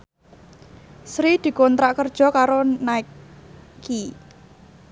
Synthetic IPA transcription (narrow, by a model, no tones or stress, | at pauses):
sɾid̪̥i̤kɔnt̪ɾaʔkərd̥ʒ̥ɔ̤kaɾonai | ki